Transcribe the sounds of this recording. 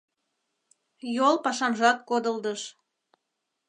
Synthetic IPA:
jolpɑʃɑnʒɑt̪̚kod̪əld̪əʃ

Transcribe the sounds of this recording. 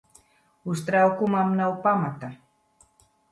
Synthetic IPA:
ʊst̪ɾawkʊmamnawpamat̪a

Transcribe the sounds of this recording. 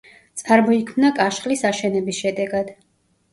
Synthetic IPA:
t̪sʼaɾmɔikʰmnakʼaʃχlisaʃɛnɛbisʃɛd̪ɛɡad̪̥

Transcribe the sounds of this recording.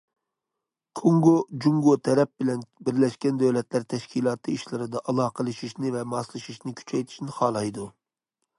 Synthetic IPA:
kʰoŋɡod͡ʒuŋɡot̪ʰɛɾɛp̚bɪlɛnbɪɾlɛʃkʲɛnd̪øwlɛt̪læɾt̪ʰɛʃkʲʰilˠɑːt̪ʰɨiʃlɪɾɨd̪ɑʔɑlˠɑːqʰəlˠɨʃiʃnɪvɛmɑslˠɨʃiʃnɪkʲʰy̥t͡ʃʰɛjt̪ʰi̥ʃnɪχɑːlˠɑjd̪u

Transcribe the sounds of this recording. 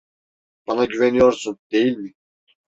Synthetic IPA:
b̥ɑnaɟyvenijoɾsund̪e̞jilʲmɪ

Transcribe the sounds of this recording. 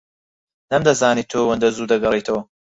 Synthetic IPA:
nɐmd̪ɐzaːniːt̪ʰoːwɐnd̪ɐzuːd̪ɐɡɐriːt̪ʰɐwɐ

